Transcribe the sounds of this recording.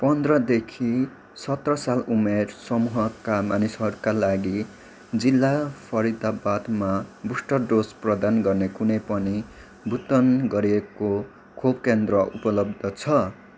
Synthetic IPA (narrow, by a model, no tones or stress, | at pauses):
pʌnd̪rʌd̪ekʰi | sʌt̪rʌsalumersʌmuɦʌkamanisɦʌɾukalaɡi | d͡zilːapʰʌɾid̪abad̪mabusʈʌɖosprʌd̪anɡʌrnekunejpʌni | bʱut̪ʌnɡʌɾieko | kʰobkend̪rʌupʌlʌb̚d̪ʱʌt͡sʰʌ